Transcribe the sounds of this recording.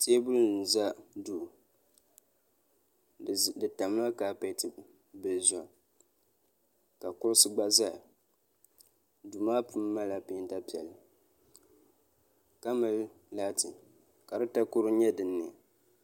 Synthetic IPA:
teː˦bʊ˦ln̩˨za˦du˨ | dɨ˨ta˨m˦la˦kaː˦pa˦tɨ˨b | bɨ˨lzɔ˨ | ka˨kʊ˦ɾʊ˦sɨ˦ɡ͡ba˦za˦˨ | du˨maː˦pʰu˦mː˦a˦la˨pi˦nta˦pi˨ɛ̰˨lɨ˨ | ka˦mɨ˨l | laː˦tɨ˨ | ka˨dɨ˦ta˦kʊ˦ɾɨ˦ɲɛ˦dɨ˨nːɪ˨a˨

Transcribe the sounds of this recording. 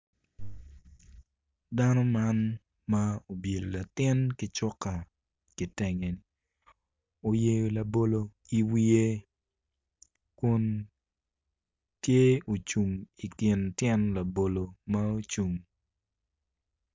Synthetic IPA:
da˦nɔ˦man | mao˨bje˨lo˨la˨tɪ˦nkɪ˦t͡ʃɔ˦ka˨ | ki˨tɛ˨ŋe˨ni | o˨je˦jola˨bo˦lo˦i˨wi˦e˦ | kʊ˦n | tje˦o˨t͡ʃu˨ŋi˨kɪ˨ntjɛ˦nla˨bo˨lo˨mao˦t͡ʃu˨ŋ

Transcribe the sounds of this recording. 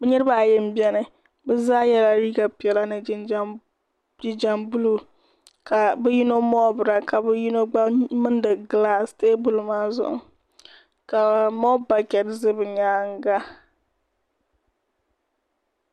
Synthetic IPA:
bɛ˦ɲɛ˦ɾɨ˦ba˦˨jɛ˦m̩˦bi˦ɛ˦nɨ˨ | bɛ˦zaː˦jɛ˦la˦ɾiː˦ɡa˨pi˨ɛ˨la˦nɨ˨d͡ʒɪ˦nd͡ʒ | d͡ʒi˨d͡ʒa˨mbu˦lu˨ | kʰa˨bɛ˦ji˦no˦mɔ˦bɨ˨ɾa˨ka˨bɛ˦ji˦no˦ɡ͡ba˦mɨ˦n˦dɨ˨ɡɨ˨laː˦˨steː˦bu˨lmaː˦zʊ̰˦ʔʊ̰˨ | ka˨mɔ˦ba˨kɛ˨tzɨ˦bɨ˨ɲaː˦ŋ˦ɡa˦

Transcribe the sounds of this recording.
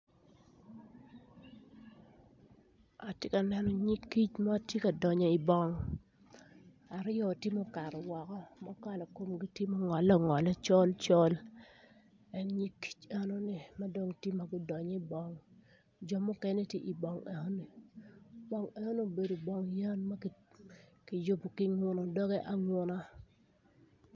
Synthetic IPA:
a˨tje˦ka˨nɛ˨nɔ˨ɲi˦kːi˦t͡ʃma˦˨tje˦ka˨dɔ˨ɲɔ˨i˨bɔ˦ŋ | a˨ɾɪ˦ɔ˦˨tɪ˦mɔ˦ka˨ɾwɔ˨kɔ˦ma˦ka˦lɔ˨ko˦mɡi˦ti˦mo˦ŋɔ˨lɔ˦ŋɔ˨la˦t͡ʃɔ˦lt͡ʃɔ˦l | ɛ˨ŋɲi˦ki̥˦t͡ʃa˨no˦ni˨ma˦do˨ŋtje˦ma˨ɡɪ˦dɔ˨ɲɔ˦i˨bɔ˦ŋ | d͡ʒɔ˨mʊ˦kɛ˦nɛ˦tje˦ʔi˨bɔ˨ŋɛ˨ho˦ni˨ | bɔ˦ŋe˨ho˦ni˨o˨be˨do˨bɔ˦ŋja˦nma˦˨ | kɪ˨jo˦bo˨kɪ˦ŋwʊ˨nɔ˨dɔ˦ɡɛ˦ʔa˨ŋʊ˦na˦

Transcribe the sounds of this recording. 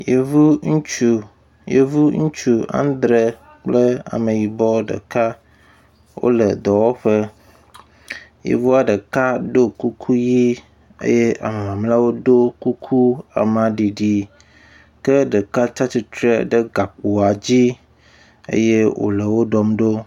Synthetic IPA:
je˨vu˦ŋũ˦t͡ʃu˨ | jḛ˦vu˦ŋũ˦t͡ʃu˦a̰˦n˦d̪ɾe˦ | k͡plə˦a̰˨mə̃˨ji˨bɔ˦ɖə̰˨ka˦ | wo̰˦lə˨d̪ɔ˨wɔ˦ɸə˦ | jḛ˨vu˦a˨ɖə˨ka˦ɖo˦ku˦kʰu˦ji˦ | ḛ˦je˦ʔa̰˨me˨mã˨mla˦wo˦do˦ku˦kʰu˦a̰˨mã˨ɖi˨ɖi˨ | kə˦ɖə˨ka˦t͡ʃa˦t͡ɕi˦t̪ɾe˦ɖə˦ɡa˨k͡po˨a˨d͡ʑi˦ | ḛ˦je˦wo̰˨lə˨wo˦ɖɔ˦mɖo˦

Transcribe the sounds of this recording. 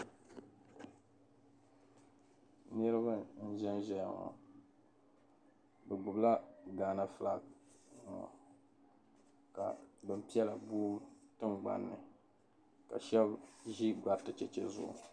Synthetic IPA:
nɨ˦ɾɨ˦βa˦n̩˦ʒɛ˦nʒɛ˦ja˨ŋa̰˨ | bɛ˨ɡ͡bʊ˨bla˦ɡaː˨na˨fla˦˨ | ŋa̰˨ | ka̰˨bɨ˨m˨pi˦ɛ˦la˨buː˦tɨ˦ŋɡ͡ba̰˨nːɨ˨ | ka̰˨ʃɛ˦bʒi˦ɡa˨ɾtɨ˨t͡ʃɛ˦t͡ʃɛ˦zʊ̰˨ʔ

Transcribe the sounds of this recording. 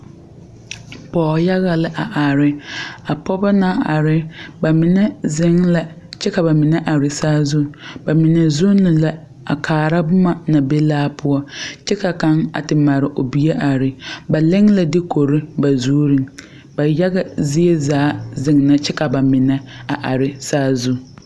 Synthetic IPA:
pɔː˨ja˦ɣa˨lɪ˦ʔa˨ʔa˨ɾɪ˨a˨pɔ˦ba˦na˦a˨ɾɪ˨ba˨mɪ˨nɛ˦zɪ˦ŋla˨ | t͡ʃɛ˦ka˨ba˨mɪ˨nɛ˦ʔa˨ɾɪ˨saː˦zu˦ba˨mɪ˨nɛ˨zʊ˦nːɪ˨la˦ | a̰˨kʰaː˨ɾa˦bʊ˦ma˨na˨be˦laː˦pʰʊ˦ɔ˦t͡ʃɛ˦ka˨ka˨˦ŋa̰˨tɪ˨ma˨ɾɪ˨ʔo˨bi˨˦e˦ʔa˨ɾɪ˨ba˨lɪ˦ŋla˨dɪ˦kʰo˨ɾɪ˦ba˨zuː˦ɾi˦ŋ | ba˨ja˦ɡa˨zi˦e˦zaː˨˦zɪ˨ŋna˦t͡ʃɛ˦ka˨ba˨mɪ˨nɛ˦a˨ʔa˨ɾɪ˦saː˦zu˦

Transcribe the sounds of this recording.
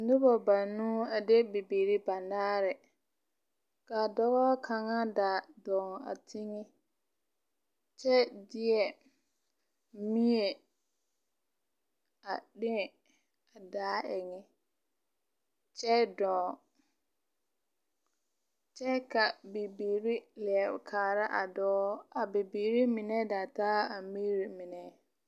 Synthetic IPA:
n̩˦dɪ˦bɔ˨ba˨nːũ˦a˨de˦be˨be˨ɾi˦ba˨naː˦ɾɛ˨ | ka˨dɔ˦ɣɔ˦kʰa˨ŋa˦da˨dɔː˨ŋa̰˨tʰi˦ŋi˦ | t͡ʃɛ˦dɪ˦ɛ˨ | mĩ˦e˨ | a˨ɗɪ̃˦˨ | a˨daː˨˦ɛ˨ŋɛ˦ | t͡ʃɛ˦dɔː˨ | t͡ʃɛ˦ka˨be˨biː˨ɾi˦lɛ˨ɛ˨kʰaː˨ɾa˦ʔa˨dɔː˦a˨be˨biː˨ɾi˦mɪ˨nɛ˦da˨taː˦a˨mi˦ɾi˨mɪ˨nɛ˦˨

